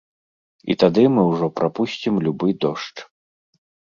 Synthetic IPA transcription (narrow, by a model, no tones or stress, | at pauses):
ḭt̪ad̪ɨmɨwʐɔpɾʔapusʲt͡sʲimlʲubɨd̪ɔʂt͡ʂ